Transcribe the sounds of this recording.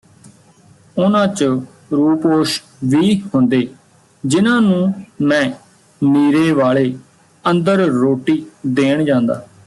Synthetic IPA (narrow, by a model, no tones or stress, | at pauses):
ʊnãːt͡ʃ | ɾuːpoːʃ | ʋiːhʊnd̪eː | d͡ʒɪnãːnũːmɛ̃ː | miːɾeːʋaːɭeː | ənd̪əɾɾoːʈiːd̪eːɳd͡ʒãːnd̪a̰ː